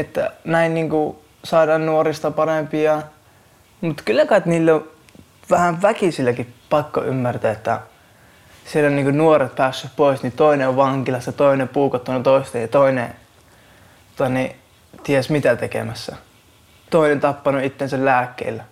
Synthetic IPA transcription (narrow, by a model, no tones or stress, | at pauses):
et̪ːæ̰næinniːŋku | sɑˑːdɑːnnuorist̪ɑpɑrempiɑ | mut̪kylːækɑt̪niːlːo | ʋæhæʋʋækisilːækipɑkːo̰y̰mːært̪æːet̪ːæ̰ | sielːonniːŋkunuoret̪̚pæːsːyppoˑisnit̪oˑineoʋʋɑŋkilɑsjɑt̪oˑinepuːkɑt̪ːunut̪oˑist̪ejɑt̪oˑinḛ | t̪ot̪ɑni | t̪iesmit̪æt̪ekḛmæsːæ̰ | t̪oˑinent̪ɑpːɑnuit̪ːensællæːkːḛilːæ